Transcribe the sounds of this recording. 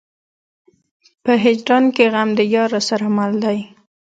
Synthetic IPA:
pəɦɪd͡ʒɾɑnkeɣamd̪əjɑɾasaɾamald̪aj

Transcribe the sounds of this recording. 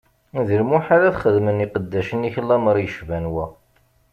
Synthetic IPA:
ðəɾmuħaɾæθχəðməniqəd̪ːæʃəniçlːæməɾˤjəʃvænwæ

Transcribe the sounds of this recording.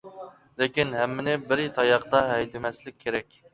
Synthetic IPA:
lɪkʲinhɛmːɪnɪbɪɾt̪ʰɑjɑqt̪ɑɦɛjd̪ɪmɛslɪk̚ʲʰːeɾɛkʲ

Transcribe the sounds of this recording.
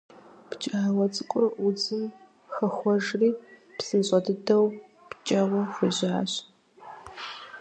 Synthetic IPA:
pt͡ʃʼaːwɐt͡sʼɨkʷʼʊʔʊd͡zɨm | xɐxʷɔʒriːpsɨnɕʼɐdɨdɐw | pt͡ʃʼɐʁʷɔxʷʊʑaːɕ

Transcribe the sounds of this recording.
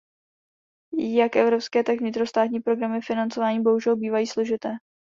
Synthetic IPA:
jakʔɛvɾo̞pskɛːt̪akvɲɪt̪ɾo̞st̪aːt̪ɲiːpɾo̞ɡɾamɪfɪnant͡so̞vaːɲiːbo̞ɦuʒɛlbiːvajiːslo̞ʒɪt̪ɛː

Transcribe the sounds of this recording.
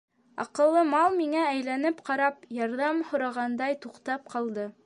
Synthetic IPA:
ɑ̰qɤ̆lˠːɤmɑlˠmiŋææjlænɘpqɑɾɑpjɑɾðɑmhŏɾɑʁɑnd̪ɑjt̪uqt̪ɑp̚qɑlˠd̪ɤ

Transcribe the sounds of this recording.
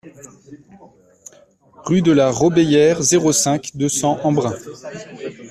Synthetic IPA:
ʁyd̪əlaʁobejɛʁzeʁosɛ̃kd̪əsɑ̃ʔɑ̃bʁɛ̃

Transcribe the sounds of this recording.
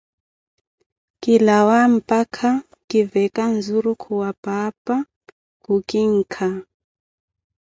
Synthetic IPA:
kilawam̩pʼakʰa | kʼivɛkan̩zuɾukʰuwapʼapʼa | kukiŋ̩kʰa

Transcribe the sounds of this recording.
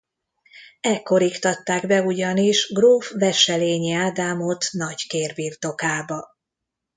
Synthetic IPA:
ɛkːo̞ɾikt̪ɒt̪ːaːɡbɛuɟɒniʃɡroːfvɛʃɛleːɲiaːd̪aːmo̞t̪nɒckeːrbiːrt̪o̞kaːbɒ

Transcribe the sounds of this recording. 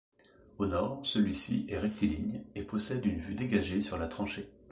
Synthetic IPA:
onɔːʁsəlɥisḭʔɛʁɛk̚t̪ʰeliɲepɔsɛd̪ynvyd̪eɡaʒesyʁlat̪χɑ̃ʃe

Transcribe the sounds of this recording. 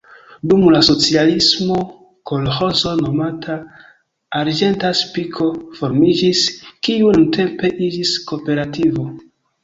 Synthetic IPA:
dumlaso̞t͡sialismo̞ | ko̞lho̞zo̞no̞matʰaː | ɾd͡ʒe̞ntaspikʰo̞fo̞ɾmid͡ʒiskiununtʰe̞mpe̞ʔid͡ʒisko̞pe̞ɾativo̞

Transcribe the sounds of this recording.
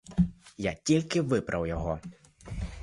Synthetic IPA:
jatʲilʲkɪʋɪbɾʔɐwjɔɦɔ

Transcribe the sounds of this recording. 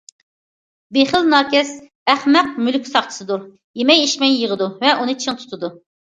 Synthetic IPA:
beχəlnɑːkʲɛs | æχmɛq̚mylkʲsɑχt͡ʃʰɨ̥sɨd̪uɾ | jemɛjiʃmɛjːəʁəd̪uvɛʔunɨt͡ʃʰiŋt̪ʰu̥t̪ʰɨd̪u

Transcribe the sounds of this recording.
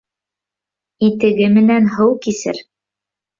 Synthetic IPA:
it̪ɘ̆ɡɘmɘ̆nænɦɤwkisɘ̰ɾ

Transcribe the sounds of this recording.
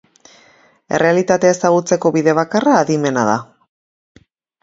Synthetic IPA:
e̞̰re̞alit̪at̪eaesaɣ̞ut͡se̞ko̞βiðe̞β̞akaraːðime̞naða̰

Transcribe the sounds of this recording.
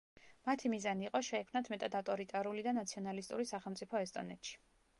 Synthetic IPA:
mat̪ʰimizaniːqʼɔʃɛːkʰmnat̪ʰmɛt̪ʼad̪aft̪ʼɔɾit̪ʼaɾulid̪anat̪sʰiɔnalist̪ʼṵɾisaχɛlˠmt̪sʼipʰɔɛst̪ʼɔ̰nɛt̪ʃi̥

